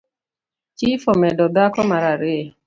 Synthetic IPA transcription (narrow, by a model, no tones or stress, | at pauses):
t͡ʃifomɛdɔdakɔmaɾaɾɪe